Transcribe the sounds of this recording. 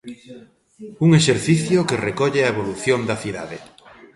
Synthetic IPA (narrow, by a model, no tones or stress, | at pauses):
uŋeʃeɾθiθjokerekɔʎeɐeβ̞oluθjond̪ɐθiða̰ðe